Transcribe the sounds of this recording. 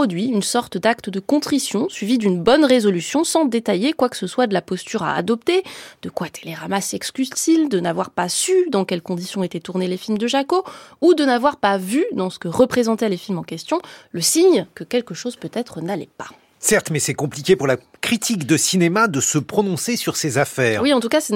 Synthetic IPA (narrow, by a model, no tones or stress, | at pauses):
ɔd̪ɥiynsɔʁt̪d̪akt̪əd̪əkɔ̃t̪χisjɔ̃sɥivid̪ynbɔnʁezɔlysjɔ̃sɑ̃d̪et̪ajekwakə̥səswad̪əlapɔst̪yʁa̰ːd̪ɔp̚t̪ed̪̥əkwat̪ʰeleʁamasɛkskʲyzt̪ild̪ənavwaʁpasyd̪ɑ̃kʲɛlkɔ̃d̪isjɔ̃et̪ɛt̪uʁnelefilmd̪əʒakoud̪ənavwaʁpavyd̪ɑ̃sə̥kəʁəpχezɑ̃t̪ɛlefilmɑ̃kʲɛst̪jɔ̃ləsiɲkəkʲɛlkəʃoz̥pøt̪ɛt̪χənalɛpḁ | sɛʁt̪mɛsɛkɔ̃plikʲepuʁlakχit̪ʰikd̪əsinemad̪əsəpχɔnɔ̃sesyʁsezafɛːʁwiɑ̃t̪ukasɛ